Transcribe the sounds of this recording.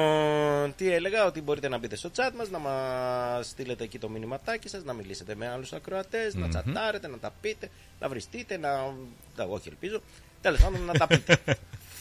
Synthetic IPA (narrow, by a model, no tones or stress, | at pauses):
t̪ie̞le̞ɣɐo̞t̪ibo̞ɾit̪e̞nɐbit̪e̞st̪o̞t͡sɐt̪mɐznɐmɐst̪ile̞t̪e̞ːcit̪o̞minimɐt̪ɐcisɐznɐmilise̞t̪e̞me̞ɐlusɐkɾo̞ɐt̪e̞znɐ̰t͡sɐ̰t̪ɐɾe̞t̪e̞nɐt̪ɐpit̪e̞ | nʔɐ̰vɾist̪it̪e̞nɐ | d̪ɐo̞çielpizo̞ | t̪e̞le̞spɐnd̪onːɐt̪ɐpit̪e